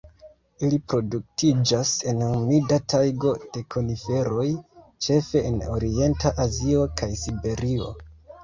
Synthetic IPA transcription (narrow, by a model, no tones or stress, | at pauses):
ilipɾo̞duk̚tid͡ʒase̞numidatʰajɡo̞d̥e̞kʰo̞nife̞ɾo̞jt͡ʃe̞fe̞ʔːno̞̰ɾie̞ntaʔazio̞kʰajsibe̞ɾio̞̰